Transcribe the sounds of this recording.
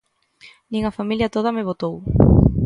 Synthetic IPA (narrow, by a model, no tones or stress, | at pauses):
nĩŋɐfamiljɐt̪oð̞ɐmeβ̞ot̪ow